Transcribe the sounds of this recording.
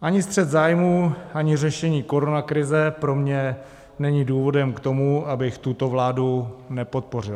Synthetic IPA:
ʔaɲɪst̪r̝̥ɛd̪zaːjmuːʔaɲɪrɛʃɛɲiːko̞ɾo̞nakɾɪzɛpɾo̞mɲɛ | nɛɲiduːvo̞dɛmkt̪o̞muʔabɪxt̪ut̪o̞vlaːdunɛpo̞t̪̚po̞r̝ɪl

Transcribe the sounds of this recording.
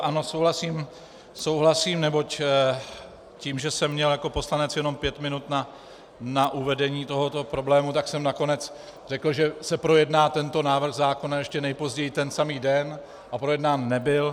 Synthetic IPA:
ʔano̞sowɦlasiːm | so̞wɦlasiːmnɛbo̞c | ciːmʒɛsɛmːɲɛljako̞po̞slanɛt͡sjɛno̞mpjɛt̪mɪnut̪na | naʔuvɛdɛɲiːt̪o̞ɦo̞t̪o̞pɾo̞blɛːmut̪aksɛmnako̞nɛt͡s | r̝ɛkl̩ʒɛsɛpɾo̞jɛdnaːt̪ɛnt̪o̞naːvɾ̩ɣzaːko̞najɛʃcɛnɛjpo̞zɟɛjit̪ɛnsamiːdɛn | ʔapɾo̞jɛdnaːnːɛbɪl

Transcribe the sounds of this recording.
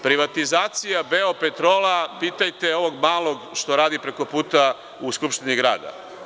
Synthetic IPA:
pɾiʋat̪izaːt̪sijabeo̞pe̞t̪ɾo̞ːlapiːt̪ajt̪eo̞ʋo̞ɡmaːlˠo̞ɡʃt̪o̞ɾaːd̪ipɾe̞ko̞puːt̪a | uskupʃt̪iniɡɾa̰ːd̪a̰

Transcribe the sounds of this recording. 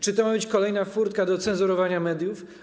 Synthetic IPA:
t͡ʂɘt̪ɔmabɘt͡ɕkɔlɛjnafuɾt̪̚kad̪ɔt̪sɛnzuɾɔvaɲamɛd̪ʲjuf

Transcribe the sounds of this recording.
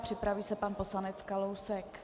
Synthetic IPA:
pr̝̥ɪpɾaviːsɛpanposlanɛt͡skalowsɛk

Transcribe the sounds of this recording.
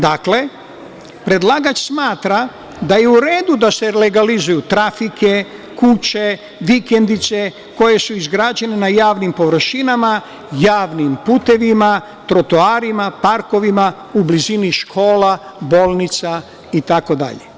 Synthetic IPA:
d̪akle̞ | pɾe̞d̪lˠaɡat͡ʃsmaːt̪ɾa | d̪ajeuɾe̞ːd̪ud̪ase̞le̞ɡalizujut̪ɾafikʰe̞kut͡ɕe̞ | ʋike̞nd̪it̪se̞ | ko̞je̞suizɡɾaːd͡ʒe̞nenajaːʋnimpo̞ʋr̩ʃinama | jaːʋnimput̪e̞ʋima | t̪ɾo̞t̪oaːɾimapaɾko̞ʋima | ubliziniʃkʰo̞ːla | bo̞ːlˠnit̪sa | it̪ako̞d̪a̰ʎḛ

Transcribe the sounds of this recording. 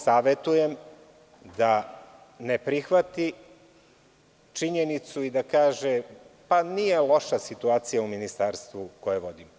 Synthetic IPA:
saːʋet̪uje̞m | d̪a | ne̞pɾixʋat̪i | t͡ʃiɲenit̪suid̪akaːʒepanije̞lˠo̞ʃasit̪uaːt̪sijauminist̪aːɾst̪ʋukojeʋo̞d̪im

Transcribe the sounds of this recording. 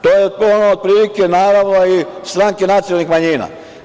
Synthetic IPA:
t̪oːjeonood̪̚pɾiːlikenaːɾaʋnoist̪ɾaŋkenat̪sijolnixmaɲina̰

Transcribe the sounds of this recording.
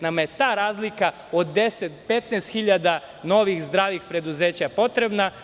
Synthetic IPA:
namajet̪aːɾaːzlika | od̪ːe̞set̪pe̞t̪nɛst̪xiʎad̪a | no̞ʋixzd̪ɾaːʋixpɾe̞d̪uze̞ːt͡ɕapo̞t̪ɾe̞bna

